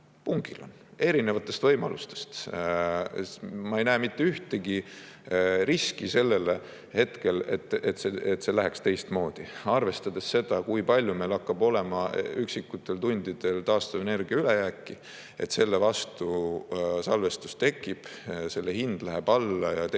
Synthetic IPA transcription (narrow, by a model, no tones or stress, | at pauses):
puŋɡilo̞̰n | e̞ɾine̞vɑt̪ːˑe̞st̪vɤ̞jmɑlust̪est̪ | mɑejnæːmit̪ːeyht̪e̞ɡi | ɾiskise̞lːe̞le | he̞t̪ke̞lḛt̪ːˑet̪seet̪ːse̞læɦekst̪e̞jst̪mo̞ːd̪̥iɑrve̞st̪ɑd̪esse̞d̪̥ɑkujpɑlʲjume̞lɑkːɑb̥o̞le̞mɑyksikːˑut̪ːˑe̞lt̪unʲd̪id̪̥e̞lt̪ɑːst̪ɑve̞ne̞rɡ̥iɑylejæːkːi | e̞̰t̪se̞lːevɑst̪u | sɑlve̞st̪u̥st̪e̞kːˑib̥se̞lːehind̪̥læɦeb̥ɑlːɑjɑt̪